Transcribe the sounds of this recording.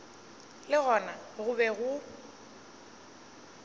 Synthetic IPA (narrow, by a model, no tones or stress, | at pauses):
lɪɣɔnaɣʊbɛɣʊ